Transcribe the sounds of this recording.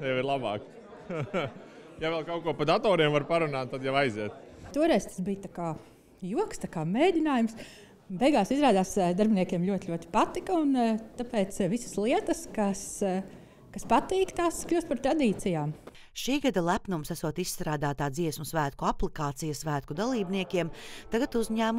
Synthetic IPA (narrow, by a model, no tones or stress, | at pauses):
jɛiɾlˠabɑ̰ːk | javɛlˠkawkuɔpad̪at̪ɔːɾiɛmvaɾpaɾunaːt̪̚t̪ːad̪jaʋajziɛt̪̚t̪uɔɾɛjzt̪ḁsbijt̪akaː | juɔkst̪akaːmeːd̪ʲinaːjums | bɛjɡaːsizɾaːd̪aːsd̪aɾbʲɪniɛkʲiɛmlʲuɔt̪ʲluɔt̪i̥pat̪ikɐunt̪apɛːt̪sʋisɐ̥slˠiɛt̪əskas | kaspat̪iːkt̪aːsklʲuːst̪paɾt̪ɾad̪iːt̪sijaːm | ʃiːɡad̪alˠæpnumsæsuɔt̪issːt̪ɾaːd̪aːt̪aːd̪ziɛsmusvæːt̪̚kuaplˠikaːt̪sijɐsʋæːt̪̚kud̪alˠiːbniɛkʲiɛmt̪aɡat̪uzʲɲæːm